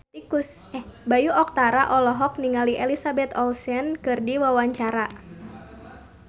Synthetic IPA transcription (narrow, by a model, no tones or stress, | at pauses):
t̪ikʊs | ɛhbajuʔɔk̚t̪aɾaʔɔlɔɦɔk̚niŋaliʔɛlisabɛt̪ɔlsɛnkɨrdiwawaɲt͡ʃaɾa